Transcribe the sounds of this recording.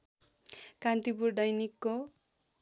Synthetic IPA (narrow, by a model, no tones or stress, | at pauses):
kant̪ipurɖʌjnikːo